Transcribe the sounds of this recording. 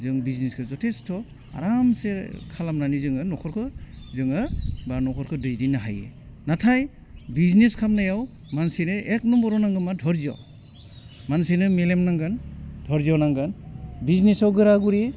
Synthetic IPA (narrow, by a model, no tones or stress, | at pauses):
zɯŋbizneskʰɯzɔtʰestʰɔ | a̰ɾamsekʰalamnanizɯŋɯnɔkʰɔɾkʰɯ | zɯŋɯbanɔkʰɔɾkʰɯdɯjdinaɦajḛ | natʰaj | bizneskʰamnajaw | mansenɯek̚nɔmbɔɾɔnaŋɡɯmadʱɔɾzia̰w | mansinɯmelemnaŋɡand̥ʱɔɾziawnaŋɡɯnbiznesawɡɯɾaɡuɾi